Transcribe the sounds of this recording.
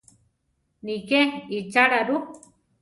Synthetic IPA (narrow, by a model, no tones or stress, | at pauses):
nikeit͡ʃaɽaɾu